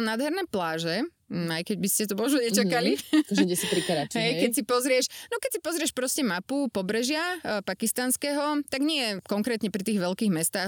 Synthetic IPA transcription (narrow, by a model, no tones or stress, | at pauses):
naːd̪ɦɛɾnɛːplaːʒɛ | ajkɛɟbiscɛt̪ɔmɔʒnuɲɛt͡ʃakaliɛɛsipɾikɛɾat͡ʃɦɛjkɛcsipɔzɾɪɛʃnɔkɛcsipɔzɾɪɛʃpɾɔscɛmapupɔbɾɛʒɪapakist̪anskɛːɦɔt̪aɡɲɪɛjɛkɔŋkɾɛːt̪ɲɛpɾit̪iːɣʋɛlkiːɣmɛst̪aː